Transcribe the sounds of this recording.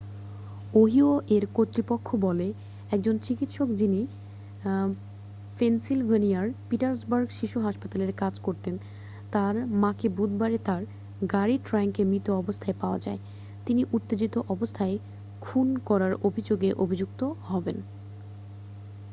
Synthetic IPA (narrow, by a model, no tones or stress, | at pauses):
oɦioʔeɾkot̪ːɾipokʰːobɔle | ɛk̚d͡ʑont͡ɕikit̪ʃokd͡ʑini | pensilɦoniaɾpiʈaɾs̬baɾɡʃiʃuɦaʃpat̪aleɾkad͡ʑkoɾt̪en | t̪aɾmakebud̪̚baɾet̪aɾ | ɡaɾiʈɾaŋkemit̪oɔbost̪ʰaepaoad͡ʑae | t̪iniʔut̪ːed͡ʑit̪oʔɔbost̪ʰae | kʰunkɔɾaɾobʱid͡ʑoɡeʔobʱid͡ʑuk̚t̪ohɔben